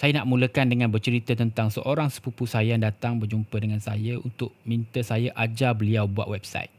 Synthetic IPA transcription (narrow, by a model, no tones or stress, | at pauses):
sajənaʔmũləkandəŋãnbərt͡ʃəɾit̪ət̪ənt̪aŋsəʔoɾaŋsə̥pupusajandat̪aŋbərd͡ʒumpədəŋansajəunt̪ʊʔ̚mĩnt̪əsajaʔad͡ʒabəliawbua̰t̪wɛbsa̰jt̪̚